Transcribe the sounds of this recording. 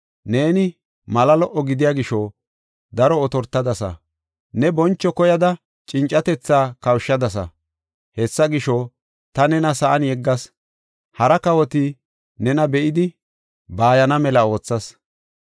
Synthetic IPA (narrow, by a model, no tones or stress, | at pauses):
ne̞ːnɪ | mɐlɐlɔʔːɔɡɪd̪ɪjaɡɪʃɔ | d̪ɐɾɔːt̪ɔɾt̪ːɐd̪ɐsɐ̰ | nɛbɔnt͡ʃːɔkɔjɐd̪ɐ | t͡ʃʼɪnt͡ʃʼːɐt̪ɛt͡sːaːkɐwʃːɐd̪ɐs̬ɐ̰ | hɛsːɐɡɪʃɔ | t̪ɐnɛnɐsɐʔɐnjɛɡːɐs | hɐɾɐkɐwɔt̪ɪ | nɛnɐbɛʔɪd̪ɪ | baːjɐnɐmɛlɐo̞ːt͡sːɐs